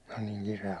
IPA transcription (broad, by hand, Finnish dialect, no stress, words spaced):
olʲ niːŋ kireæ